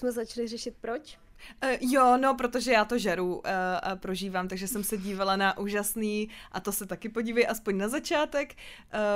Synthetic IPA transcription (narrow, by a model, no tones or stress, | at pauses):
smɛzat͡ʃlɪrɛʃɪt̪̚pɾot͡ʃ | jono̞pɾo̞t̪o̞ʒɛjaːt̪o̞ʒɛɾupɾo̞ʒiːvaːmt̪aɡʒɛsɛmsɛɟiːvalanaʔuːʒasniːʔat̪o̞sɛt̪akɪpo̞ɟiːvɛjʔaspoɲnazat͡ʃaːt̪ɛkː